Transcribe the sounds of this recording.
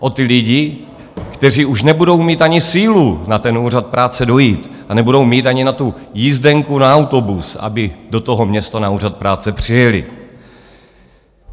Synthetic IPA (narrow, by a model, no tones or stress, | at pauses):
ʔo̞t̪ɪlɪɟɪ | kt̪ɛr̝iːuʃnɛbudo̞wmiːt̪ʔaɲɪsiːlunat̪ɛnuːr̝at̪̚pɾʔaːt͡sɛdo̞jiːt̪ | anɛbudo̞wmiːt̪ʔaɲɪnat̪ujizdɛŋkunaːwt̪o̞busa̰bɪdo̞t̪o̞ɦo̞mɲɛst̪anauːrat̪̚pɾaːt͡sɛpr̝̥ɪjɛlɪ̰